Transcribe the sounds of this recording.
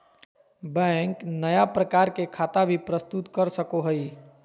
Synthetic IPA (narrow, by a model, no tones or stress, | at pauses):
bɛ̃ŋknəjapɾəkaːɾkekʰaːt̪abʱipɾəst̪ut̪kəɾsəkoɦəi